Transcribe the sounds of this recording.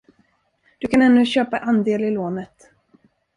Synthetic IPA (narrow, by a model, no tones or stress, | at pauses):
d̪̥ɵkʰanɛnːɵɕøːpaʔand̪eːlɪloːnət̪